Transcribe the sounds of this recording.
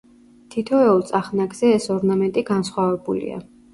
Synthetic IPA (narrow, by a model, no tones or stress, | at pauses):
t̪ʰit̪ʰɔɛɔlˠt̪sʼaχnaɡz̥ɛːsɔɾnamɛnt̪ʼiɡansχwavɛbulḭa̰